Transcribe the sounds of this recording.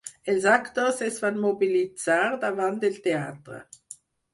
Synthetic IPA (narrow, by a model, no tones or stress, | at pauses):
ɛlzakt̪osɛsvanmobilit͡saːʁd̪avant̪ɪlt̪eaːt̪ɾə̰